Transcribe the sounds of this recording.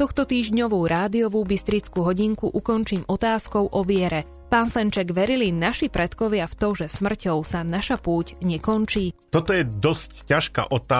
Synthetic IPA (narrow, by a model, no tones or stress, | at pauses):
t̪ɔxt̪ɔt̪iːʒɲɔʋuːɾaːd̪iɔʋuːbist̪ɾit͡skuːɦɔɟiŋkuʔukɔnt͡ʃiːmɔt̪aːskɔʊʔɔʋɪɛɾɛ | paːnsɛnt͡ʃɛɡʋɛɾilinaʃipɾɛt̪kɔʋɪaft̪ɔʒɛsmr̩cɔʊsanaʃapuːcɲɛkɔnt͡ʃiːt̪ɔt̪ɔjɛd̪ɔsccaʃka̰ːʔɔt̪a